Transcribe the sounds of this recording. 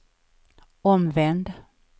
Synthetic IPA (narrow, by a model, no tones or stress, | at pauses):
ɔmvɛnd̪